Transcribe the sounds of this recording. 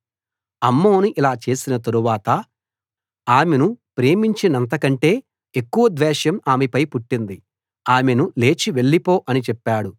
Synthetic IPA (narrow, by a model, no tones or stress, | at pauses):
ɐmːoːnuʔilaːt͡ʃe̞ːsinɐt̪̬ɐɾuʋaːt̪ɐ | aːme̞nupɾe̞ːmiɲt͡ʃinɐnt̪̬ɐkɐɳʈe̞ː | ekːuʋɐd̪ʋɛːʃjɐmaːmepɐjpuʈːind̪i | aːme̞nule̞ːt͡ʃiʋe̞ɭːipo̞ːʔɐnit͡ʃɛpːaːɽu